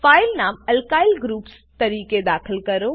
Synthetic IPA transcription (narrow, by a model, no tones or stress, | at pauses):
faːɪlnaːmɐlkaːɪlɡɾuːps | t̪ɐɾiːked̪aːkʰəlkɐɾo